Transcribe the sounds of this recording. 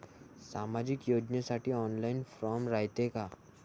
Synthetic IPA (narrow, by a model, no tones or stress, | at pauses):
saːmaːd͡ʒɪkjoːd͡ʒnasaːʈiɔːnlaɪnfɾɔːmɾaːjt̪eka